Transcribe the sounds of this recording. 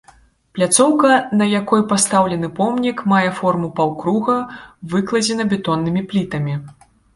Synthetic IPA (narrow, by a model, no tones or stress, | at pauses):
plʲat̪sɔwkɐnɐjakɔjpast̪awlʲɛnɨpɔmnʲikmajɛfɔrmupawkɾuɣɐvɨklˠɐd͡zʲɛnɐbʲɛt̪ɔnːɨmʲiplʲit̪ɐmʲi